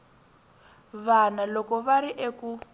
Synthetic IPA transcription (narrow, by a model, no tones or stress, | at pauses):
βanalɔkɔβaɾiʔeku